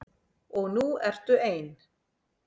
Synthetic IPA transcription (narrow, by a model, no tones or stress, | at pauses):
ɔɣnuɛr̥t̪ʏeːjn